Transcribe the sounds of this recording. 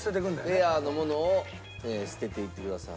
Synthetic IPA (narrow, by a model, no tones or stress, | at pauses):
t̪et̪̬ːekɯ̃nd̪eano̞mo̞no̞ː | eːɕi̥t̪e̞t̪e̞it̪ːe̞kɯ̟d̪asa̰